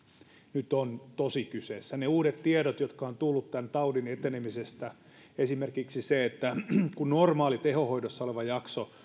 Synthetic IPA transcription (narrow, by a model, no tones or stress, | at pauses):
nyt̪ont̪osikyseːsːæneuːɾet̪t̪ieɾot̪jot̪kɑont̪ulːut̪t̪ænt̪ɑudinet̪enemisest̪æ | esimerkiksiseet̪ːækunnormɑːlit̪ehohoidosːɑoleʋɑjɑkso